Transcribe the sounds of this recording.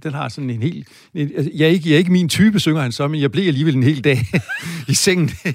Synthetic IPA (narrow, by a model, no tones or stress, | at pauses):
d̥enɦɑ̈sɒ̽n̩e̝nhe̝̰ːl̥ | eæjɑæɐe̝ɡ̥əjæɐeɡ̥əmint͡sʰyːb̥əsøŋɐhænsɒ̽menjɑɪb̥liɐ̰æliːʋele̝nɦe̝̰ːld̥ɛ̰ːiseŋ̰n̩